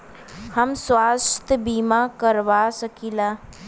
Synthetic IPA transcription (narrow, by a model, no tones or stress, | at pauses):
həmswaːst̪ʰəbimakəɾʋasəkilaː